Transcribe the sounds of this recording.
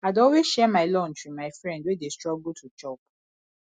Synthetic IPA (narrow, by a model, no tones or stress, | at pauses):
adɔweʃɛmaɪlɔn̩t͡ʃimaɪfɾɛ̃ndwedestɹɔɡutʰut͡ʃɔp